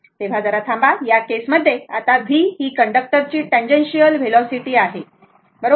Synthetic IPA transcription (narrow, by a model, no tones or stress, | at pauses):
t̪eʋ̤ad͡zəɾat̪ʰãmbajakesməd̪ʱːjeat̪abʱiːɦiːkəɳɖək̚ʈəɾt͡ɕiːʈɛ̃ɲd͡ʑenɕijəlʋelɔsiʈiːaɦe | bəɾo